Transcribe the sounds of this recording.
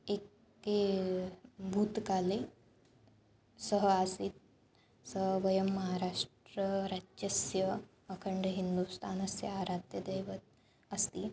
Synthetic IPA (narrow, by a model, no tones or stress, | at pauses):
ekː | e | bʱut̪kale | səɦəaːsit̪̚ | səɦʋɐjəmːɐɦaɾaːʂʈɾəɾaɐsjɐ | ɐkʰəɳɖɦind̪ust̪ʰaːnɐsjɐaːɾat̪jɐd̪ɐjʋət̪̚ | ɐst̪iː